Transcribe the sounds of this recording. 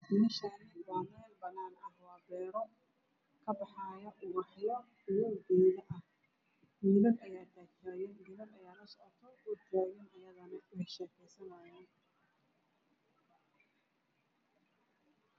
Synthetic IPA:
d̪ɪnɐʃanbaːnɛːlbɐnaːnɐhwaːbɛːɾɔ | kʰɐbɑħɑːjɔʔʊɾɑħjɔ | jɔɡiːðɐʔɐh | miːðɐnɐjaːt̪ʰaːt͡ʃɐjɛnɡiːðɐnɐjaːlɐsɔʕɔt̪ʰɐʊd̪aːɣɪnɐjɐðɐnɐɛʃɛːkʰɛjsɐnɐjaːn

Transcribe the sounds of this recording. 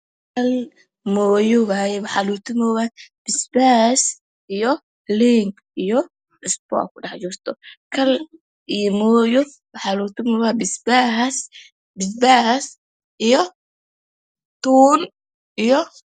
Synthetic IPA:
kʰɐl | mɔːjɔwaːjɛwɑħalut̪ʰʊmɔːwaːb̥ɪsbaːs | ijɔ | liŋɡ | ijɔ | ɪspɔ̰ːkʰʊɖɑħd͡ʒurt̪ʰɔkʰɐl | ijɔmɔːjɔ | wɑħaluːt̪ʰɪmɔːwabɪsbas | bɪsbas | ʔijɔ | t̪uːn | ʔijɔ

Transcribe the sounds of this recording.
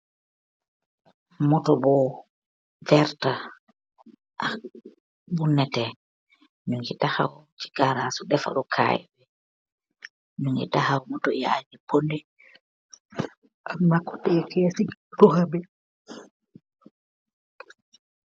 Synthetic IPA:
mɔtɔbɔ | vɛɾta | ʔa | bunːɛtɛ | ɲuŋɡitahawt͡ʃi̥ɡaɾasuɗɛfa̰ɗɔkʰa̰jɛ̰bɛ | ɲuŋḭtahawmɔtɔja̰d͡ʒipondɛ | amakːɔ̥tɛkɛsidɔhabɛ

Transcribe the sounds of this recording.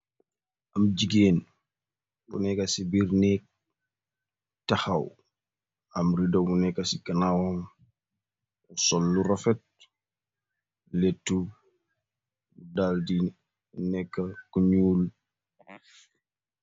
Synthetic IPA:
ʔɐmd͡ʒiɡeːn | bṵnɛkasibiɾnɛk̚ | taxaw | ɐmridɔbunɛkːɐsikɐnawɐm | usɔlːurɐfɛt̚ | letːu | udaːldi | nɛkːɐkuɲuːl

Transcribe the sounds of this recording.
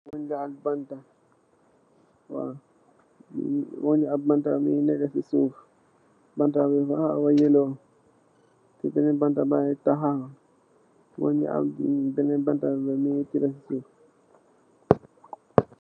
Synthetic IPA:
wɔnd͡ʒaalbanta | wa̰ | wɔnd͡ʒialbantaminɛɡasisuf | bantabɛfahawajɛlɔ | tɛbɛnɛbantabaɛtaɦaha | wɔ̰nd͡ʒḭa̰l̰bɛnɛbantabɛmitiɾasisuːf

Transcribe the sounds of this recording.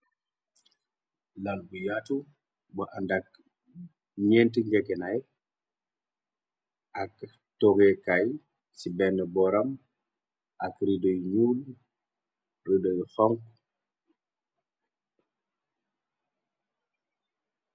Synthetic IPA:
lanbujatu | baʔandak̚ | ɲentiŋɡekenaj | ak | toɡekaj | sibɛnəbɔɾam | akɾidojɲuːl | ridojxɔŋk

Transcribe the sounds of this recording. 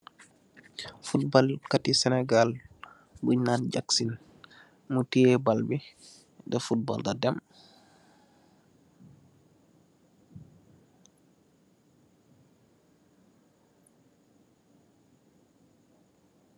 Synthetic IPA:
fut̚bɔlkatisɛnɛɡal | buɲnand͡ʒaksin | mutiɛbalbi | dɛfut̚bɔ̰ldadɛm

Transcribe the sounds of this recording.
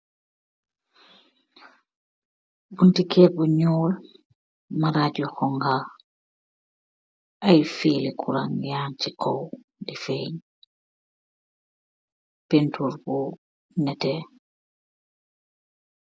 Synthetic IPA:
buntikɛːbuɲɔːl | maɾaɟɔkɔŋɡa | ʔajfiːlikʰuɾaŋjaːnt͡ʃikʰɔw | difeɲ | pentuɾbu | nɛtɛ

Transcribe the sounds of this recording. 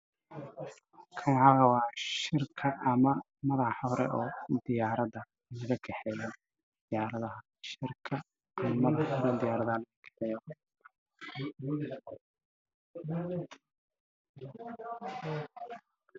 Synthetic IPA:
kʰɐŋɐwɛwɑːʃɪrkʰɐʔːmɐ | mɐðɑħɔɾɛ̰ʔɔːd̪ɪjaːɾɐðɐ | lɣɐkʰɛħɛjɐ | d̪̥ɪjaːɾɐðɐɦɐ | ʃɪrkʰɐː | mɐmɐðɑħɔɾɛd̪ɪjaːɾɐðalɐɣɐkʰɛħɛjɔ

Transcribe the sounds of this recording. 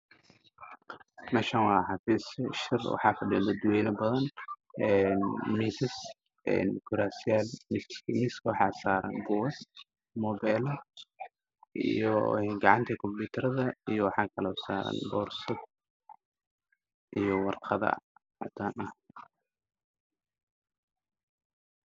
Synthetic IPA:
nɐʃɐnwɑːħɑfiːsʃɪrwɑ̰ħɑ̰ːfɐɖɪd̪ɐd̪ʊwɛjnɐbɐðɐnɛːnmiːsɪs | ʔɛ̰ːnkʰʊɾaːsɪalmɪsmiːskʰwɑħɑ̰ːsaːɾɐ̰nbɔɐs | mɔːbɛjlɐ | ʔḭjɔ̰ɛɡɑʕɑnt̪ʰɐkʰɔmpuːt̪ʰɐɾɐðɐijɔwɑħɑːkʰɐlɔːsaːɾɐ̰nbɔːrsɐd̪̚ | ʔijɔwɑrqɐðɐ̰ħɑ̰t̪ʰaːnɐh

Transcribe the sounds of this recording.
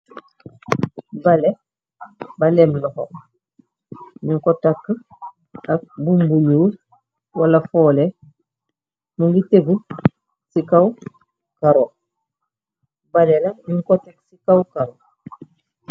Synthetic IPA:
bale | balemlɔho̰ | niŋkɔtakː | ak̚bumbuɲuː | walafɔːle | muŋɡiteɡu | sikaw | kaɾo | balelamiŋkɔtaksikawkaɾo

